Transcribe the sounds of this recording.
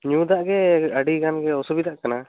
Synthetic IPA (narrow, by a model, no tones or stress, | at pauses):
ɲũd̪aʔɡɛəɖiɡanɡɛɔsubid̪aʔkana